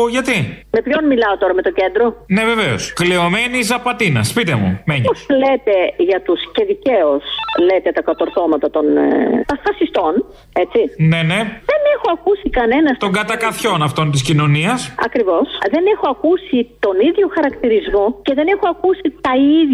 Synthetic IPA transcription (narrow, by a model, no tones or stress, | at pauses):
ʝɐt̪ime̞pço̞nmilɐo̞t̪o̞ɾɐme̞t̪o̞ce̞nd̪ɾo̞ne̞ve̞veo̰skleo̞menizɐpɐt̪inɐ̰spit̪emṵmeɲoslet̪e̞ʝɐt̪usce̞ðice̞oslet̪et̪ɐkɐt̪o̞ɾθo̞mɐt̪ɐt̪o̞nt̪ɐfɐsist̪o̞n | e̞t͡sine̞ne̞ðe̞ne̞xo̞ɐkusikɐne̞nɐst̪o̞ŋɡɐt̪ɐkɐθço̞nɐft̪o̞nt̪iscino̞niɐsɐ̰kɾivo̞sðe̞ne̞xo̞ɐkusit̪o̞niðʝo̞xɐɾɐkt̪iɾizmo̞ce̞ðe̞nexoɐkusit̪ɐið